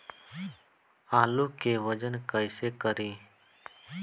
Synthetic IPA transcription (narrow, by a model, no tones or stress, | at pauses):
aːluːkeːʋəd͡ʒənkəɪseːkəɾiː